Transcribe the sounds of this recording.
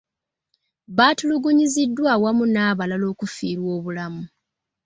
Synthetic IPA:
βaːtuluɡuɲizidːwawamunaːβalalo̞ːkufiːɾwo̞ːβulamu

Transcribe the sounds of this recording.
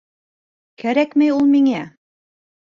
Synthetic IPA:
kæɾækmɘjulˠmiŋæ

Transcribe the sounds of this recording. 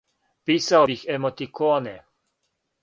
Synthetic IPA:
piːsawbixɛmɔt̪ikoːnɛ

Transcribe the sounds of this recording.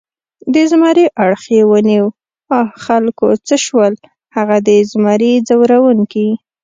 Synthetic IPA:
d̪əzmɑɾiʔaɽxewəniw | ɑxalkot͡səʃwəl | haɣad̪əzmɑɾid͡zawɾawuŋki

